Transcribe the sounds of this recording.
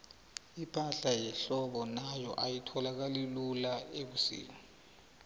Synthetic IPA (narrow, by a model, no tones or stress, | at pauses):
ipʰʼaɬajɛɬɔɓɔnajɔʔajitʰɔlak̬alilulaek̬usḭːŋa